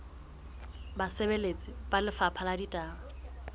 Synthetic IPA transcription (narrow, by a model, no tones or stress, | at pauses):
basebelet͡sʼɪpalɪfapʰaladitʼaːŋa